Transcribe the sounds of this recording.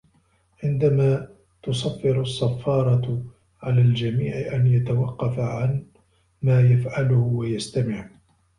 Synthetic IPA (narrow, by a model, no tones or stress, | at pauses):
ʕɪnd̪amaː | t̪ʊsɑfːɪɾɑsˤːɑfːɑːɾˤɑ | ʕalaːld͡ʒamiːʕʔanjat̪awɑqːɑfaʕan | maːjafʕalʊhʊwajast̪amɪʕ